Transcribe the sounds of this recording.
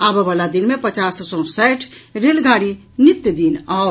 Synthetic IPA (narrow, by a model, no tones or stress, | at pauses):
abəbalad̪inmepət͡ʃassɔ̃sɛjʈʰɾelɡaɽi | nit̪jəd̪inao